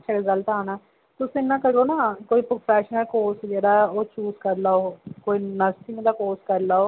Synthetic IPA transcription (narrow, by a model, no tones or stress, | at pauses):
ʃʰaːɡəzəlt̪aːnaː | t̪ʊsĩnːãːkəɾoːnaːkoːiːpɾopʰɛːʃnəlkoːsd͡ʒeːɽaːoːt͡ʃuːskəɾlaːoːkoːiːnəst̪imẽd̪aːkoːskəɾlaːoː